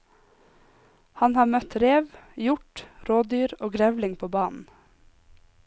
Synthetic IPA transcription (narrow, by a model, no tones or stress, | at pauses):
hɑnhɑːmœt̪ɾeːʋjʊʈɾoːd̪yːɾoːɡɾɛʋlɪŋpʰoːbɑːnn̩